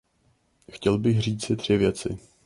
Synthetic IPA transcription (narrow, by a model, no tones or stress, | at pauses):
xcɛlbɪxr̝iːt͡sɪd̪r̝̥ɪvjɛt͡sɪ̰